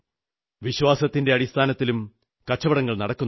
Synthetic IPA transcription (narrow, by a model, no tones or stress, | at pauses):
ʋiɕwaːsɐt̪ːinde̞ɐɽist̪ʰaːnɐt̪ːilum | kɐt͡ɕːɐʋɐɽɐŋːɐɭnɐɽɐkːun